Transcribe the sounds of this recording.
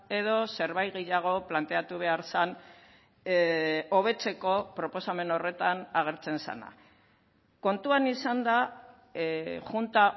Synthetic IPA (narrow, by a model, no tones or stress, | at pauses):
e̞ðo̞se̞ɾβajɣeʎaɣ̞o̞plant̪e̞at̪uβ̞e̞aɾsan | oβ̞e̞t͡se̞ko̞pɾo̞po̞same̞no̞re̞t̪anaɣ̞e̞ɾt͡se̞nsa̰na̰ | ko̞nt̪uanisand̪a | ʝunt̪a